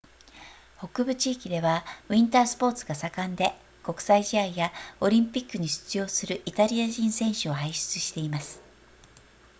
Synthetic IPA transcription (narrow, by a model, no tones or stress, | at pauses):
ho̞kɯ̟bɯ̟t͡ɕiːkʲid̪e̞β̞aɯ̟ĩnt̪aːsɨ̥po̞ːt͡sɨɡasakãnd̪e̞ | ko̞kɯ̟̥saiʑiaijao̞ɾʲĩmpʲikːɯ̟ɲ̟iɕɨ̥t͡sɨjo̞ːsɨɾɯ̟ʔit̪aɾʲiaʑĩɰ̃sẽɰ̃ɕɨohaiɕɨ̥t͡sɨɕi̥t̪e̞imasɨ̥